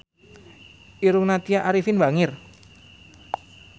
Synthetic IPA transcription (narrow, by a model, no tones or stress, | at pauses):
ʔiɾuŋnat̪iaʔaɾifɪnbaŋɪr